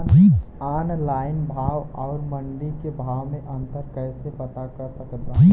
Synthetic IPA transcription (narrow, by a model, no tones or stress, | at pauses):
aːnlaːɪnbʱaːwɔːɾməɳɖikebʱaːʋmẽʔə̃nt̪əɾkəsepət̪akəɾsəkd̪a